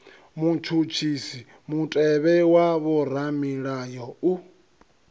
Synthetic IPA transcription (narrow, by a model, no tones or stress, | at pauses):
mut͡ʃʰut͡ʃʰisi | mutʼɛβɛwaβɔɾamiɺajɔu